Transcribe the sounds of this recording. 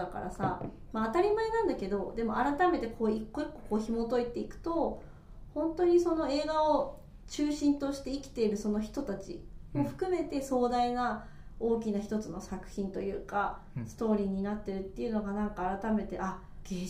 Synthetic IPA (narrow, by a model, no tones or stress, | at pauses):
aka̰ɾa̰sa̰ | maːt̪aɾʲimaenãnd̪ake̞d̪o̞d̪e̞mo̞aɾat̪ame̞t̪e̞kʰoːikːoikːo̞ko̞ːçimo̞t̪o̞it̪e̞ikɯ̟̥t̪o̞ | hõ̞nt̪o̞ɲ̟iso̞no̞e̞ːɡao | t͡ɕɨːɕĩnt̪o̞ɕi̥t̪e̞ikʲi̥t̪e̞iɾɯ̟so̞no̞çi̥t̪o̞t̪at͡ɕḭmo̞ɸɯ̟̥kɯ̟me̞t̪e̞so̞ːd̪aina | o̞ːk̬ʲinaçi̥t̪o̞t͡sɨno̞sakɯ̟̥çĩnt̪o̞jɯ̟ːka | sɨ̥t̪o̞ːɾʲiːɲ̟inat̪ːe̞ɾɯ̟t̪ːe̞iɯ̟no̞ɡanãŋkaːɾat̪ame̞t̪e̞̰ʔa | ɡe